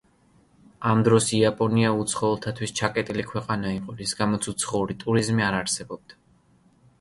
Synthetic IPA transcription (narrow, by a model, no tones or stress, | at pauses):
amd̪ɾɔsiapʼɔniaut̪sʰχɔɛlˠt̪ʰat̪ʰwist͡ʃʰakʼɛt̪ʼilikʰwɛqʼanaiqʼɔɾisɡamɔt̪sʰut̪sʰχɔulit̪ʼuɾizmiaɾaɾsɛbɔb̚d̪̥a